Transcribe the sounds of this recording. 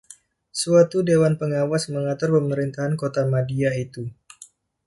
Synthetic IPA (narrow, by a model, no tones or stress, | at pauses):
suat̪udewanpəŋawasməŋat̪ʊrpəməɾint̪aɦankot̪amadiait̪u